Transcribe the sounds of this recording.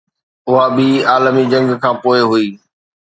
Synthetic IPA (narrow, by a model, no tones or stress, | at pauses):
ʊɦaɓiːaːlmid͡ʑɐ̃ŋɡkʰãːpoːɪɦʊiː